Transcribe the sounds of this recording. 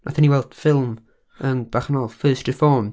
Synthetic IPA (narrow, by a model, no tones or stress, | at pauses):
nʔa̰θaniwɛlˠd̥fɪlˠm | ənb̥aχnɔlˠfɜːstrɪfɔːm